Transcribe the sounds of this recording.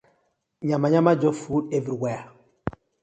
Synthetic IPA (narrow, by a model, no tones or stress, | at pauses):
ɲamaɲamad͡ʒofudeviɾiwɛja